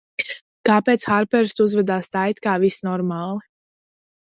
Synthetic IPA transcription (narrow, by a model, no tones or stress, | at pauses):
kaːpet̪sxaɾpɛɾst̪uzvɛd̪aːst̪ajt̪kaːvisnɔɾmaːlˠi